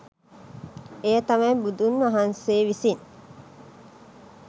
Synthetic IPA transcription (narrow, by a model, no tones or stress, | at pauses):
ejɐt̪ɐmɐjbud̪unʋɐɦɐnseːʋisin